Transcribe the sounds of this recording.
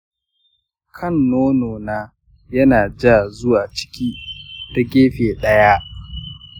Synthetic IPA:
kʰɐ˦˨nːoː˦noː˨naː˦ | jɐ˦naː˨d͡ʒa˦˨zʊ˦waː˨t͡ʃɪ̥˦kʲiː˦ta˦ɡʲeː˦ɸeː˨ɗɐ˦ja˦ʔ

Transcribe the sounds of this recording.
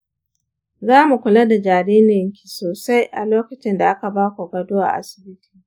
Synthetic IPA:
zaː˦mu˨kʷʊ˨la˦da˨d͡ʒaː˨ɽiː˦nɪ˨ŋkʲi̥˨soː˨sa˦jʔa̰˨loː˦kɐ˨t͡ʃɪ˦nda˨ʔa˦ka˨baː˦kʷo˨ɡɐ˨dʊ˦wa̰˨ʔa̰˦˨sɪ̥˨bɪ˦ti̥ː˨

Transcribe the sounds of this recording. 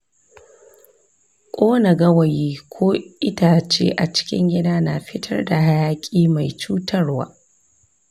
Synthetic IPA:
kʷʼoː˦na˨ɡɐ˦wɐ˨jiː˦kʷʰoː˦ʔɪ˦taː˨t͡ʃḛː˦ʔa˨t͡ʃɪ̥˦kʲɪ̰˦ŋɡʲɪ˦daː˦na˨ɸɪ˦tʰɐ˦rda˨ɦa˦jaː˦kʲʼiː˦ma˨jt͡ʃuː˦tɐ˦rwa̰ː˦

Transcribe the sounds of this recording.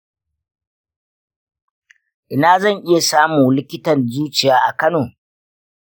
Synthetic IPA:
ʔɪ˨naː˨zɐ˦˨ŋʔɪ˦ja˨saː˦muː˨lɪ˦kʲɪ˦tɐ˨nzuː˦t͡ʃɪ˨jaː˦ʔa˨kɐ˦noː˨

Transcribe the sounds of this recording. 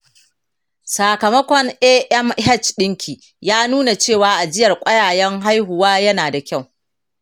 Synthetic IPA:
saː˨kɐ˨mɐ˦kʷɔ˦ŋʔɛː˦ʔɛ˦mɦɛ˦˨t͡ʃɗɪ˦ŋkʲʰiː˨ | jaː˦nuː˦na˨t͡ʃeː˦˨waː˨˦ʔa˨d͡ʒɪ˦jɐ˨rkʷʼɐ˦jaː˨jɛ˦ŋɦa˦jɦʊ˨waː˦jɐ˦naː˨da˨kʲa˦˨w

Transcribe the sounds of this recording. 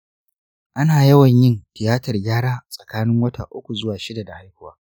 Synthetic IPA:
ʔa˦naː˨jɐ˦wɐ˨ɲjɪ˦ntɪ˨jaː˦tɐ˨rɡʲaː˦ɽaː˦sʼɐ̥˨kaː˦nɪ˦ŋwɐ˦ta̰ː˨ʔʊ˦kʷu˨zʊ˦waː˨ʃɪ˦da˨da˨ha˦jhʊ˦waː˦

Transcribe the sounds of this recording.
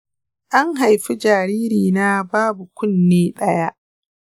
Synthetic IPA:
ʔa˦ŋɦa˨jɸi˦d͡ʒaː˨ɾiː˦ɾiː˨naː˦baː˦bu˨kʷʊ˦nːeː˦ɗɐ˦ja˦ʔ

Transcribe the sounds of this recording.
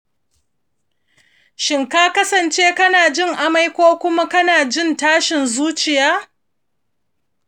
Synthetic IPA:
ʃɪ˨ŋkaː˦kɐ˦sɐ˨nt͡ʃeː˦kɐ˦naː˨d͡ʒɪ˦˨ŋʔa˦ma˦jkʷoː˦kʷʊ˦ma˦kɐ˦naː˨d͡ʒɪ˦ntaː˦ʃɪ˨nzuː˦t͡ʃɪ˨jaː˦

